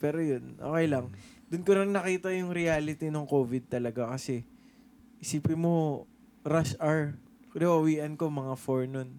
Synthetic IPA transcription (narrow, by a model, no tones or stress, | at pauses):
pɛːɾojonʔo̰ːkɛjlɐŋd̪ʊnkoɾɪŋnɐkiːt̪ɐjʊŋɾɪjaːlɪt̪inoŋkoːvɪd̪̚t̪ɐlɐɡakɐsɛ | ʔɪsiːpɪmo̞ | ɾaʃʔaɹ | lɐwɐwiːʔɐnko̞mɐŋafoɹnon